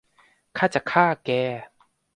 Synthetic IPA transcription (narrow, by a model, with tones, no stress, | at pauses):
kʰa˥t͡ɕa˨kʰaː˥˩kɛː˨˧